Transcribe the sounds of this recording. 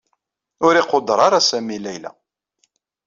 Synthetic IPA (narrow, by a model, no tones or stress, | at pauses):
ʊɾɪqod̪ɾˤɑɾˤasæmilæjlæ̰